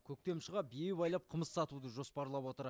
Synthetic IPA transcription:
kʲʰɵk̚t̪e̞mʃəʁɑbijewbɑjlˠɑp̚qʰəməsːɑt̪ud̪əʒo̞spɑɾlˠɑpwo̞t̪əɾ

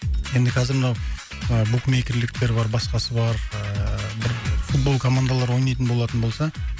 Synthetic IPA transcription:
je̞nd̪ɪkʲʰæzɪɾmənɑw | əbukmekʲɪɾlɪk̚t̪e̞ɾbɑɾbɑsqɑsəbɑɾəbɪɾfut̪̚bo̞lˠkʰo̞mand̪alˠɑɾwo̞jnɑjt̪ənbolˠɑt̪ənbo̞lˠsɑ

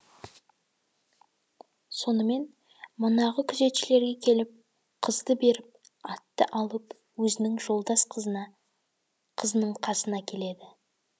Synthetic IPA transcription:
so̞nəme̞n | mənɑʁəkʲʰʏze̞t̪ʃɪle̞ɾɡʲe̞kʲʰe̞lɪp̚ | qʰəzd̪əbe̞ɾɪp̚ | ɑt̪ːə̰ʔɑlˠəp | wɵzɪnɪŋʒo̞lˠd̪ɑsq̪ʰ | qʰəzənəɴqʰɑsənɑkʲʰe̞le̞d̪ɪ

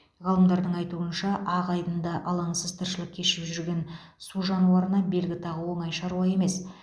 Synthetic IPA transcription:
ʁɑlˠəmd̪ɑɾd̪əɴɑjt̪uənʃɑʔɑqɑjd̪ənd̪ɑʔɑlˠɑɴsəzt̪ʰəɾʃəlˠəq̚kʲʰe̞ʃɪpʒʏɾɡʲe̞n | suʒɑnuwɑɾənɑbe̞lɡʲɪt̪ʰɑʁəwo̞ɴɑjʃɑɾuwɑje̞me̞s

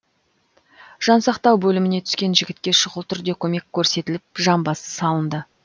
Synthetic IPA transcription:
ʒ̥ɑnsɑqt̪ɑwbɵlɪmɪne̞t̪ʰʏskʲe̞nʒɪɡʲɪt̪̚kʲe̞ʃʊʁəlˠt̪ʰʏɾd̪e̞kʲʰɵme̞kʲʰːɵɾse̞t̪ɪlɪp̚ʒɑmbɑsə̥sɑlˠənd̪ə

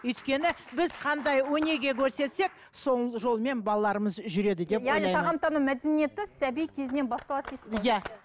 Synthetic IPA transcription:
ɵjt̪kʲe̞nɪbɪz̥qʰɑnd̪ɑjwɵne̞ɡʲe̞kʲʰɵɾse̞t̪se̞k̚ | so̞lˠʒo̞lˠme̞nbɑlˠɑlˠɑɾəməzʒʏɾe̞d̪ɪd̪e̞pjæʁniijʰɑʁɑmt̪ɑnumæd̪e̞nije̞t̪ɪsæbijkʲʰe̞zɪne̞nbɑst̪ɑlˠɑt̪esɪ̥jæ

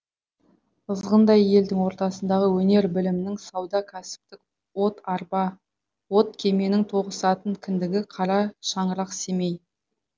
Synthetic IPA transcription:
əzʁənd̪ɑje̞ld̪ɪŋwo̞ɾt̪ɑsənd̪ɑʁəwɵne̞ɾbɪlɪmɪnɪŋsɑwd̪ɑkʲʰæsɪ̥p̚t̪ɪk̚ | wo̞t̪ɑɾpɑ | wo̞t̪̚kʲʰe̞me̞nɪŋt̪ʰo̞ʁəsɑt̪əŋkʲʰɪnd̪ɪɡʲɪqʰɑɾɑʃɑɴəɾɑqse̞me̞j

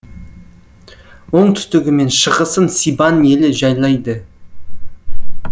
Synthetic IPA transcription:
wo̞ɴt̪ʰʏ̥st̪ɪɡʲɪme̞nʃəʁəsənsijbɑne̞lɪʒɑjlˠɑjd̪ə

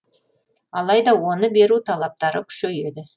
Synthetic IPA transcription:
ɑlˠɑjd̪ɑwo̞nəbe̞ɾut̪ʰɑlˠɑp̚t̪ɑɾəkʲʰʏ̥ʃeje̞d̪ɪ

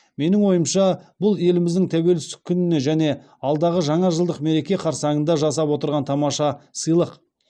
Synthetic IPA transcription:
me̞nɪŋwo̞jəmʃɑbʊlˠje̞lɪmɪzd̪ɪŋt̪ʰæwe̞lɪst̪ɪ̥kʲʰːʏnɪne̞ʒæne̞ | ɑlˠd̪ɑʁəʒɑɴɑʒəlˠd̪əqme̞ɾe̞kʲe̞qʰɑɾsɑɴənd̪ɑʒɑsɑpwo̞t̪əɾʁɑnt̪ʰɑmɑʃɑsəjlˠəq

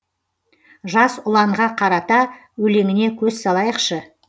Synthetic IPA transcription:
ʒɑsʊlˠɑɴʁɑqʰɑɾɑt̪ɑ | wɵle̞ŋɪne̞kʲʰɵzsɑlˠɑjəqʃə

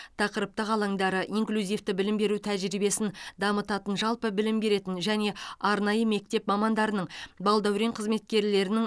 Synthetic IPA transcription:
t̪ʰɑqəɾəp̚t̪əʁɑlˠɑŋd̪ɑɾəʔiŋklʲuzijft̪ɪbɪlɪmbe̞ɾut̪ʰæʒɾibe̞sɪnd̪ɑmət̪ɑt̪ənʒɑlˠpəbɪlɪmbe̞ɾe̞t̪ɪnʒæne̞ɑɾnɑjəme̞k̚t̪e̞pmɑmɑnd̪ɑɾənəɴbɑlˠd̪ɑwɾeɴqʰəzme̞t̪̚kʲe̞ɾle̞ɾɪnɪŋ

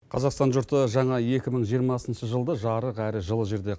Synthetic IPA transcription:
qʰɑzɑqst̪ɑnʒʊɾt̪əʒɑɴɑe̞kʲɪməɴʒijəɾmɑsənʃəʒəlˠd̪əʒɑɾəqæɾɪʒəlˠəʒe̞ɾd̪e̞

